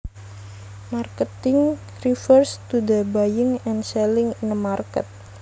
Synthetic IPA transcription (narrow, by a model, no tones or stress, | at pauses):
markət̪ɪŋ | rifərst̪udabajɪŋɛnsɛlɪŋinəmarkət̪̚